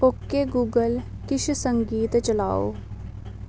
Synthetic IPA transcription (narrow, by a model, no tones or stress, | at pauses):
oːkːeɡuːɡəl | kɪʃʰsə̃ŋɡiːt̪t͡ʃəla̰ːo̰ː